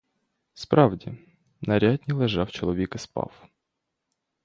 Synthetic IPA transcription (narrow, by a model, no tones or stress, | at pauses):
spɾɑwdʲi | nɐɾʲad̪ʲnʲilˠɛʒɑwt͡ʃɔlˠɔʋʲikɪspɑ̰w